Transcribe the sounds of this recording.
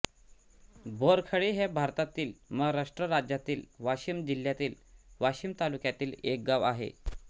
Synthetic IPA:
bʱoɾkʰəɭiɦebʱaɾt̪at̪iːlməɡɾaʂʈɾəɾad͡ʑjat̪iːlʋaɕiːmd͡ʑil̤jat̪iːl | ʋaɕiːmt̪alukjat̪iːlek̚ɡaʋaɦḛ

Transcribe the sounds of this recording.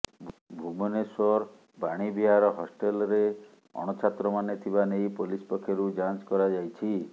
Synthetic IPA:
bʱumɔnesɔɾ | baɽ̃ibiɦaɾɔɦɔsʈelɾe | ɔ̰ɽ̃ɔt͡ʃʰat̪ɾɔmanet̪ʰibanejpolispɔkʰːjoɾud͡ʒanskɔɾad͡ʒajt͡ʃʰi

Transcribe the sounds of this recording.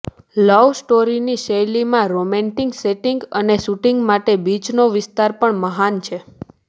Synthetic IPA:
ləʋsʈoɾiniʃejlimãɾomeɳʈiŋɡseʈiŋɡəneʃuʈiŋɡmaʈebid͡ʒnoʋɪst̪aɾpəɳməɦant͡ʃʰe

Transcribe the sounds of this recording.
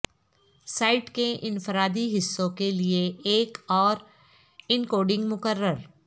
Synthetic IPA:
saːɪʈkeʔɪ̃nfɪɾaːd̪iɦɪsːõkelieeːkɔːɾ | ɪnkoːɖɪ̃ŋɡmʊkəɾːəɾ

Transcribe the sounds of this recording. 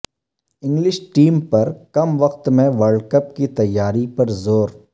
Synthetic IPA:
ɪ̃ŋɡlɪʃʈiːmpɐɾkɐmʋɐqt̪mẽʋəɾɖkɐp̚kit̪ɐjːaːɾipɐɾzoːɾ

